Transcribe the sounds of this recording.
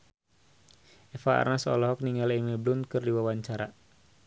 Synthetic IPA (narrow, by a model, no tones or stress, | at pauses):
ɛfaa̰rnasɔ̰lɔɦɔk̚niŋalimeblunkɨrdiwawaɲt͡ʃaɾa